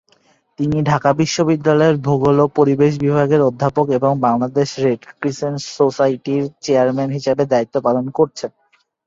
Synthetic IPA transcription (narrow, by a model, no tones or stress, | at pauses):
t̪iniɖʱakabiʃːobid̪ːalɔeɾbʱoɡolopoɾibeʃ̬bibʱaɡeɾod̪ʱːapokeboŋbaŋlad̪eʃɾeɖkɾisensosajʈiɾt͡ɕeaɾmenɦiʃabed̪ait̪ːopalonkoɾt͡ɕʰen